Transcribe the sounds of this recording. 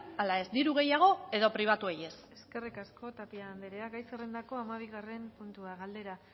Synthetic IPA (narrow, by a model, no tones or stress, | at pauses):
alae̞zd̪iɾuɣ̞e̞jaɣ̞o̞e̞ðo̞pɾiβ̞at̪ue̞je̞seske̞rikasko̞t̪apiaːnd̪eɾeaɡajserend̪ako̞amaβ̞iɣare̞mpunt̪uaɣald̪e̞ɾa